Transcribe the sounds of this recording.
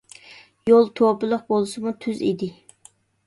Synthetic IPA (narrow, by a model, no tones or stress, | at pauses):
jolˠt̪ʰopɨlˠəq̚bolˠɨsɨmut̪ʰyzḭd̪ɪ